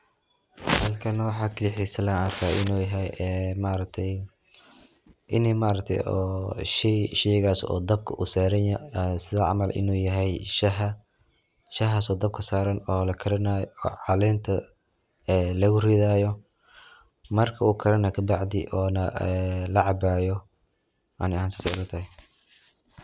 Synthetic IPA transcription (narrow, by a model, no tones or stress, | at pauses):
hɐlkʰɐnɐwɑħɑːkʰɐlɪħisɐlaakʰaːʔɪ̰nuːjɐɦɛjɛːmaːɾɐk̚t̪ʰɛj | ʔɪnɛmaːɾɐk̚t̪ʰɛ̰jɔːʃɛjʃɛjɣaːsɔ̰ːd̪ɐb̚kʰɐʔusaːɾɐnːsɪðɐʕɑ̰mɐlʔɪ̰nuːjɐɦɛjʃɦɐ | ʃɐɦaːsɔːd̪ɐb̚kʰɐsaːɾɐnɔːlɐkʰɐɾɐnajɔ̰ːʕɑlɛːnt̪ʰɐ | ɛːlɐɣʊrɛðaːjɔ | mɐrkʰɐuːkʰɐɾɐnɐkʰɐbɑʕd̪ɪ̰ʔɔːnɐlɐʕɑbaːjɔ | ʔɐ̰nɪhaːnsɪ̥sɐɾɐt̪ʰɐhɛ